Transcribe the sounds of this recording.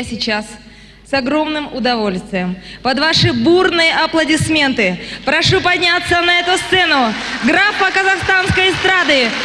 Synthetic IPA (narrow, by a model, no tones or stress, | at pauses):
sʲɪt͡ɕas | sɐɡɾo̞mnɨmʊd̪ɐvo̞lʲst̪vʲɪjəmpɐd̪vaʂɨburnɨjəʔɐplˠədʲɪsmʲe̞nt̪ɨpɾɐʂupɐdʲnʲat̪sːənɐɛt̪ʊst̪sɛnʊɡɾafəkəzɐxst̪anskəjst̪ɾad̪ɨ